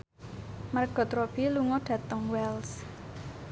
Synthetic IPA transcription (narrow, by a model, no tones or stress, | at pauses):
marɡ̥ɔ̤t̪ɾɔb̥iluŋɔɖ̥ä̤t̪əŋwɛls